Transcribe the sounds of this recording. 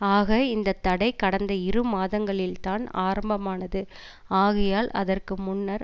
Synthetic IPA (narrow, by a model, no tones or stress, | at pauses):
aːɣɐɪnd̪ɐt̪ːɐɽɐɪkɐɽɐnd̪ɐɪɾɯmaːðɐŋɡɐɭɪlt̪aːna̰ːɾɐmbɐmaːnɐðɯ | aːɣɪjaːlɐ̰ðɐrkɯmʊnːɐɾ